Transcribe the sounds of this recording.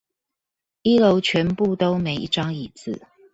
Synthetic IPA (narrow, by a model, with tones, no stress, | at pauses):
i˥lo˧˦ʊt͡ɕʰɥɛ˧˦npu˥˨t̪o˥ʊme˨˧˦ɪʔi˥˩ʈ͡ʂɑ˥ŋi˨˩t͡sɹ̩˥˨